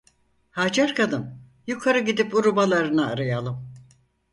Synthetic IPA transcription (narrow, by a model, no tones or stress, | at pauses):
haːd͡ʒaɾkʰad̪ɯn | jukʰaɾɯɟid̪ipuɾubalˠaɾɯnaːɾajalˠɯm